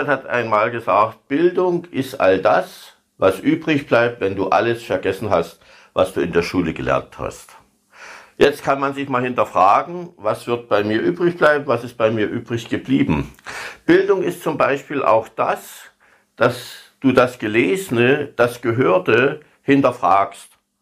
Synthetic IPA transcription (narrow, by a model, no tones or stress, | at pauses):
ɛthatʔa̰ɪnmaːlɡəzaːkt̚b̥ɪldʊŋʔɪstʔa̰ldas | vasʔyːbʁɪçb̥laɪp̚tvɛnduːʔa̰ləsfɛɐɡɛsn̩ɦast | va̰sd̥uːɪndeːɐʃuːləɡəlɛ̰ɐntha̰st | jɛt͡st̚kʰanmanzɪçmaːlhɪntɐfʁ̥aːɡŋ̩vasv̥ɪɐt̚b̥aɪmiːɐʔyːbʁɪçb̥laɪbm̩vasɪst̚b̥aɪmiːɐʔyːbʁɪçɡ̥əbliːbm̩b̥ɪldʊŋɪstt͡sʊmbaɪʃpiːlʔa̰ʊxd̥a̰s | d̥asd̥uːdasɡ̥əleːzənəd̥asɡ̥əɦøːɐtə | hɪntɐfʁ̥aːkst